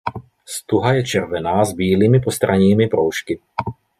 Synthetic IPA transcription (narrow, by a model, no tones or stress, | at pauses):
st̪uɦajɛt͡ʃɛɾʋɛnaːzbiːliːmipɔst̪ɾʔaɲiːmipɾɔʊʃki